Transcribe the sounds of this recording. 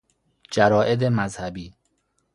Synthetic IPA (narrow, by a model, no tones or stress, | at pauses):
d͡ʒæɾɒːʔed̪emæzhæbiː